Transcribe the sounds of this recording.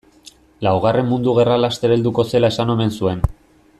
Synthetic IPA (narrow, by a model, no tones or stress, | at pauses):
lawɣ̞are̞mmund̪uɣ̞e̞ralast̪e̞ɾeld̪uko̞se̞lae̞sano̞me̞nsue̞n